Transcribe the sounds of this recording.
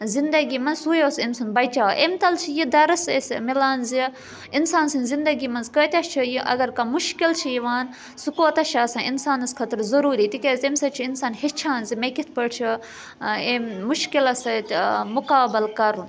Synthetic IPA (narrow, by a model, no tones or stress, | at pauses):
zind̪ɐɡimɐnzsujoːsinsunbɐjt͡ʃaːʔemt̪ɐlt͡ʃʰijid̪ɐɾɐsesmilaːnzi | insaːnsɨnzind̪ɐɡimɐnzkəːt̪ʲɐʃt͡ʃʰijiʔɐ̰ɡɐɾkamuʃkilt͡ʃʰijiʋaːn | sukoːt̪ɐʃaːsɐ̃ːinsaːnɐskʰɐt̪ɾzɐɾuːɾiːt̪ikʲezemsɐt͡ʃʰiinsaːnhit͡ʃʰaːnzimekit̪ʰpəʈt͡ʃʰi | emːuʃkilɐsɐt̪mukaːbɐlkɐɾũn